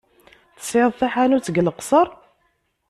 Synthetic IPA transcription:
θə̥sʕeðˤθaħanut͡sːəɡləqsˤəɾˤ

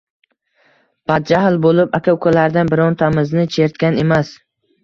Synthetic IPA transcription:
b̥ad̪̚d͡ʒahlˠbolˠɪpakʲʰawkʰɵlaɾd̪anbɪɾɒnt̪ʰamɪznɪt͡ʃʰe̞ɾt̪kʲane̞mas

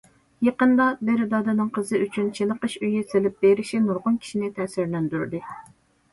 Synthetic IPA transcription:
jeqənd̪ɑd̪eɾɪd̪ɑd̪ɛnɨŋqʰəzɨyt͡ʃʰynt͡ʃʰenəqəʃyjiselɪp̚beɾɪʃinuɾʁʊnkʲʰi̥ʃinɪt̪ʰɛːsɪɾlɛnd̪yɾd̪ɨ

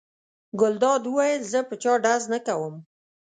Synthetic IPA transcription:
ɡʊld̪ɑd̪wəwajəlzəpət͡ʃɑɖaznəkawəm

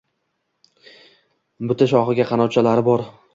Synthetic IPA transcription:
bʊt̪ʰaʃɒχɨɡʲaqʰɑnɒt͡ʃʰalaɾɪbɒɾ

